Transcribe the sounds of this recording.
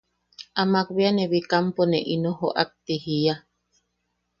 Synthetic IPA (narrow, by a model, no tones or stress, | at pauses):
amakβianeβikamponeʔinoɦoʔa̰k̚t̪ehija